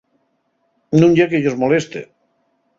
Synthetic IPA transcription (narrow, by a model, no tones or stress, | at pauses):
nũɲjakeʎozmolest̪ḛ